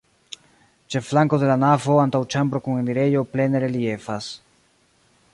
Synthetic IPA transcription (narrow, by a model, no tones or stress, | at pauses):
t͡ʃe̞flaŋko̞d̪e̞lanavo̞antawt͡ʃambɾo̞kuŋeniɾe̞jo̞ple̞neɾelie̞fas